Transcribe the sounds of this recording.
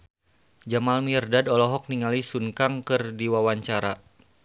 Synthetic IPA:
d͡ʒamalmirdadɔlɔɦɔk̚niŋalisuŋkaŋkɨrdiwawaɲt͡ʃaɾa

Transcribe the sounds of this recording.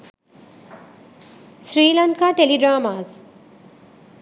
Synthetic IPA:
sɾiːlʌɳʈkaʈeliɖɾaːmaz

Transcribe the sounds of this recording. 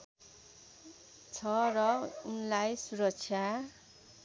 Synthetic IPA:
t͡sʰʌrʌunlajsuɾʌkt͡sʰja

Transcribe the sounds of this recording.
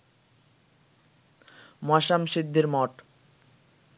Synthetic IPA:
moaʃamʃid̪ʱːeɾmɔʈ

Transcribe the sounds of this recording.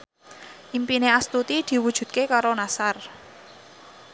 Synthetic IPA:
ʔimpineast̪ut̪id̪̥i̤wud̥ʒ̥ṳt̪̚kekaɾonasar

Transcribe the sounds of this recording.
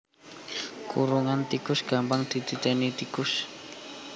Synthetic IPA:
kṵɾuŋant̪ikʊsɡ̥a̤mpaŋd̪̥it̪it̪enit̪ikʊs

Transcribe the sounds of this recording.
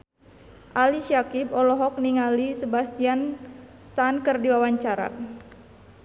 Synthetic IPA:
ʔaliʃakibɔlɔɦɔk̚niŋalisəbast̪ianst̪ankərdiwawaɲt͡ʃaɾa̰

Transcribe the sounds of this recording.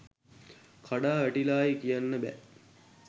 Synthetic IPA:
kʰaɖaːʋæʈilaːjikijanːəbɛ̰

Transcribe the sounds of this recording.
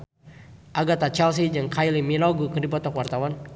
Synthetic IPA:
ʔaɡat̪at͡ʃɛls̬id͡ʒaŋkʰajliminɔɡukərdipɔt̪ɔkwart̪awan

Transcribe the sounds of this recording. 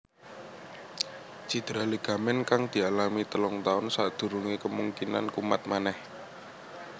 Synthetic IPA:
d͡ʒ̥id̪̥ɾaliɡ̥a̤mɛnkaŋd̪̥i̤alamit̪əlɔŋt̪aʊnsad̪̥ṳɾuŋekəmuŋkina̰nkuma̰t̪̚manɛh

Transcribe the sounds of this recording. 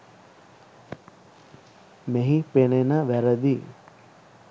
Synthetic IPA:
meɦipenenəʋæɾəd̪i

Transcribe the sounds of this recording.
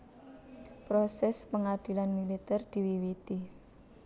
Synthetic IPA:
pɾosɛspəŋad̪̥i̤lanmilit̪ɛrd̪̥i̤wiwit̪i

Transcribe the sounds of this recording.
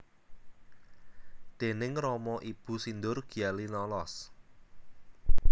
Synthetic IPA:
d̪̥e̤nɪŋrɔmɔʔib̥ṳsind̪ʊrɡ̥i̤alinɔlɔs

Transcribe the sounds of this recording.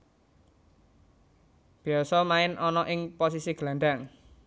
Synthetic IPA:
b̥i̤ɔsɔmaɪnʔɔnɔʔɪŋpos̬isiɡ̥lanɳɖaŋ

